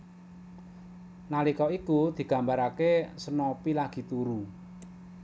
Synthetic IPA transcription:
nalikɔikud̪̥i̤ɡ̥ä̤mbaɾakesənɔpilaɡ̥i̤t̪uɾu

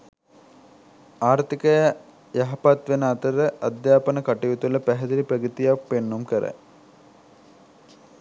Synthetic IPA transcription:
aːɾt̪ikəj | jaɦapat̪ʋenəat̪əɾəʔad̪jaːpənəkaʈijut̪uləpæɦɛd̪iɾiprəɡit̪ijak̚penːumkəɾə̰

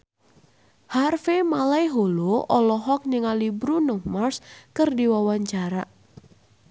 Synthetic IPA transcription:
harfemalajɦoloʔɔlɔɦɔk̚niŋalibɾunɔmarskərdiwawaɲt͡ʃaɾa

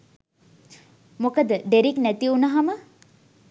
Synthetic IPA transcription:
mokəd̪əd̪eɾiknæt̪iunɐɦamə

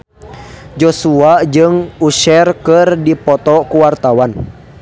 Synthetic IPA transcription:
d͡ʒɔsuad͡ʒɨŋuʃɛrkɨrdipɔt̪ɔkuwart̪awan

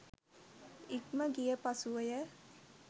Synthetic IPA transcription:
ikməɡijəpasuʋəjə

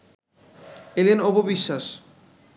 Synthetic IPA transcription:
elenobobiʃːaʃ

